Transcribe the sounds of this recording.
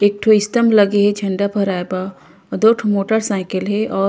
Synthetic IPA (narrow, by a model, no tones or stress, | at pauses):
eːk̚ʈʰoɪst̪əmləɡeɦet͡ʃʰɐ̃ɳɖapʰəɾaːjba | d̪oːʈʰomoːʈəɾsaːɪkəlɦeʔɔː